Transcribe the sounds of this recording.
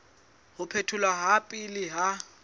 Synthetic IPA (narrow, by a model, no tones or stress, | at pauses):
hʊpʰetʰʊlaɦapʼɪlɪɦa